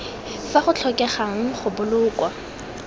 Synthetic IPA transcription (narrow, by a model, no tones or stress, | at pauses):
faχʊt͡ɬʰɔkʼɛχaŋ̩χʊbʊlʊːkʼwa